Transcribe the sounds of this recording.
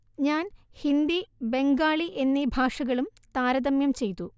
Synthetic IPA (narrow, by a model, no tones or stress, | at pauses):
ɲaːnhind̪ibe̞ŋɡaːɭiʔe̞nːibʱaːʂɐɣɐɭumt̪aːɾɐðɐmjɐmt͡ɕe̞jt̪ːu